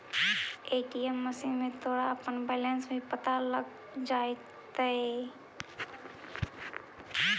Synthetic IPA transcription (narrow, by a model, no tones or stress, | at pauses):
eːʈiemːəsimẽt̪ʰoːɽaəpənbɛːlensbʱipət̪aləɡ | d͡ʒaːe | t̪ae